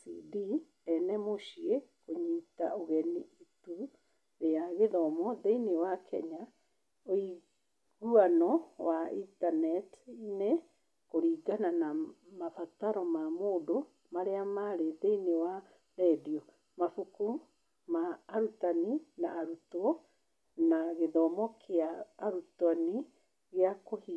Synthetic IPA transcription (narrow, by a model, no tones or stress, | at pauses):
sḭdi | ɛnɛmoʃiekoɲita̰ʔoɣɛniitu | ɾeaɣeðɔmɔðeinewakʰɛ̰ɲa | oi | ɣuanɔwaitanɛtine | koɾiːɡananamafataɾɔmamoːdo | maɾeamaɾeðeinewa | ɾɛdiɔ | mafuku | maːɾutaninaːɾutɔ | naɣeðɔmɔkʰeaːɾutwani | ɣeakohi